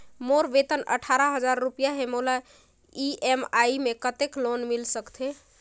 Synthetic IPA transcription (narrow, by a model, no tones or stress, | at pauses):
moɾbet̪ənə̰ʈʰaɾəɦəd͡ʒaɾːupijaɦemola | iʔemaimekət̪eklonmilsəkt̪ʰe